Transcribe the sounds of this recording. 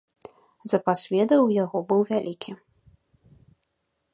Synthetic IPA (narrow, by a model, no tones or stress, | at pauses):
zɐpasʲvʲɛd̪ɐwjaɣɔbɨwvʲalʲʔikʲi